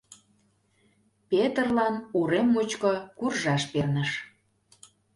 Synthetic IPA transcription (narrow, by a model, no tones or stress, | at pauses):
pet̪ərlɑnuɾemːut͡ɕkŏkurʒɑʃpernəʃ